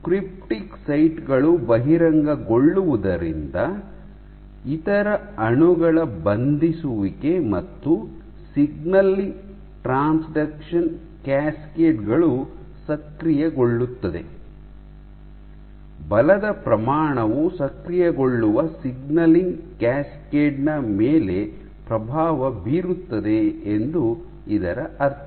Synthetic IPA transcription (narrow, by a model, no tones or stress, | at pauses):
kɾip̚ʈiksɐjʈɡɐɭubɐɦiɾɐŋɡɐɡoɭːuʋud̪ɐɾḭnd̪ɐ | it̪ɐɾɐ | ɐɳuɡɐɭɐbɐnd̪isuʋiɡe̞mɐt̪ːu | siɡnɐliŋ | ʈɾaːnsɖɐkʂɐn | kaːskeːʈɡɐɭu | sɐkɾijɐɡo̞ɭːut̪ːɐd̪e̞̰ | bɐlɐd̪ɐpɾɐmaːɳɐʋusɐkɾijɐɡo̞ɭːuʋɐsiɡnɐliŋɡkæːskeːɖnɐmeːle̞ | pɾɐbʱaːʋɐbiːɾut̪ːɐd̪e̞ːnd̪u | id̪ɐɾɐʔɐɾt̪ʰɐ